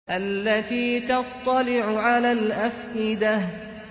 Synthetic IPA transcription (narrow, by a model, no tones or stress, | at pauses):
ʔalːat̪iːt̪ɑt̪ˤːɑlɪʕʊʕalaːlʔafʔɪd̪a